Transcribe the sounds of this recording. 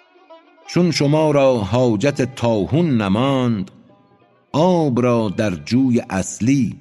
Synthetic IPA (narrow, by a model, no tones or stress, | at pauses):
t͡ʃʰunʃomɒːɾɒːɦɒːd͡ʒat̪ʰet̪ʰɒːhunːæmɒːnd̪ | ʔɒːbɾɒːd̪æɾd͡ʒuːjeʔæsliː